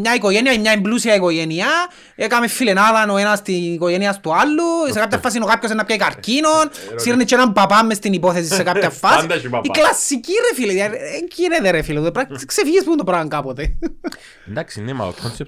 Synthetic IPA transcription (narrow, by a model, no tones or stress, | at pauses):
mɲaikoʝeniaimɲaemblusiaikoʝenia | ekamefːilenaðanoenast̪iikoʝeniast̪ualːussekap̚tafːas̬inokapços̬enːapcaikaɾcinonsiɾnit͡ʃːenampapamːest̪inipoθes̬isːekapt̪afːasiklasːicirefileðjaeɲkineðeɾefileðuðepɾaksefiʝispund̪opɾaɣaŋkapot̪e | nd̪aksinːema̰lo̰kʰonse